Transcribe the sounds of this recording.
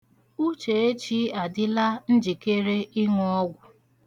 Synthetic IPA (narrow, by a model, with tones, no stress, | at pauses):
u˦t͡ʃe˨e˦t͡ʃi˦a˨dɪ˦la˦n̩˦d͡ʒi˨ke˦ɾe˦i˦ŋʷ˦ɔ˦ɡʷʊ˨